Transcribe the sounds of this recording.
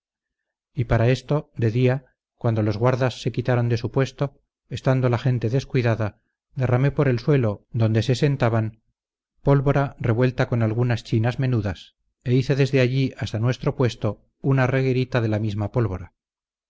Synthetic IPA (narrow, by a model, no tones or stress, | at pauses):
ipaɾae̞st̪o̞d̪e̞ðia | kwand̪o̞lo̞zɣwaɾðasːe̞kit̪aɾo̞nd̪e̞supwe̞st̪o | e̞st̪and̪o̞laxe̞nt̪e̞ðe̞skwiðaða | d̪e̞rame̞po̞ɾe̞lswe̞lo̞d̪o̞nd̪e̞se̞se̞nt̪aβan | po̞lβo̞ɾare̞βwe̞lt̪ako̞nalɣunast͡ʃinazme̞nuðas | e̞iθe̞ðe̞zðe̞aʎiast̪anwe̞st̪ɾo̞pwe̞st̪o̞ | unare̞ɣe̞ɾit̪aðe̞lamizmapo̞lβo̞ɾa